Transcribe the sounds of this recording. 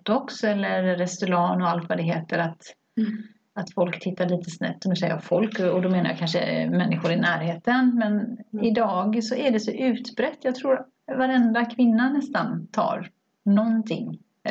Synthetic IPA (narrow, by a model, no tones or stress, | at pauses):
d̪ɔksɛlːəɾːɛst̪ɵɾɑːnɔalt̪vad̪ɛɦeːt̪əɾat̪ | at̪fɔlkt̪ʰɪt̪ːaɭiːt̪əsnɛ̰pt̪ːɔmd̪ɵsɛjəɾɔfɔlkɔd̪ɔmeːnaja̰kʰanʂə̰mɛnːɪɧʊɾɪnæːɾheːt̪ənmɛnɪd̪ɑːɡsɔʔæɖɛsɔʔʉ̟ːt̪bɾɛt̪ːjɑːɡt̪ʰɾuːɾ | vaɾɛnd̪akʰvɪnːanɛst̪ant̪ʰɑ̰ːɾ | nɔnt̪ʰɪ̰ŋː